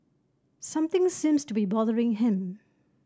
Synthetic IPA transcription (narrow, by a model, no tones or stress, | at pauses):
sʌ̃mt̪ʰɪ̃ŋsĩmstubibɔðəɹɪ̃ŋɦɪ̃m